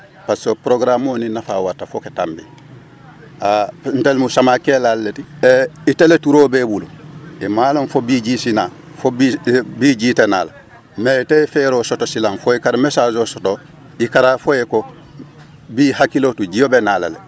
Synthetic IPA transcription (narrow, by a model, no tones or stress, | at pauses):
pasopɾoɡɾamoːninafa̰ːwatːafoketambḭ | an̩telmusamakelalːetiiteletuɾoːbebuluimaːlõnfobiɟisina | fobibiɟiːtena̰ːla | metefeɾoːsotosilanfoikaɾamesaːd͡ʒoːsoto | ikaɾafojeko | biːhakilotud͡ʒijobenaːla̰lḛ